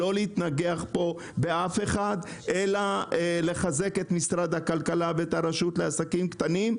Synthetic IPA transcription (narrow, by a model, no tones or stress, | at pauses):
o̞leit̪naɡeaχpo̞ | be̞afeχad̪ʔelale̞χaze̞ke̞t̪misɾad̪hakalkalaveet̪haɾaʃut̪leasakimkt̪anim